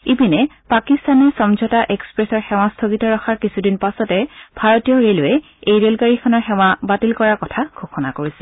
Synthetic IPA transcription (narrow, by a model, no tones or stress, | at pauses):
ipinɛpakistanɛsɔmzʱɔtaʔekspɹɛsɔɹxɛwastʰoɡitɔɹɔxʰaɹkisudinpasɔtɛb̥ʱaɹɔtijɔɹelʊɛ | ejɹelkaɹixʰɔnɔɹxɛwabatilkɔɹaɹkɔtʰaɡʱoxʰɔnakoɹisɛ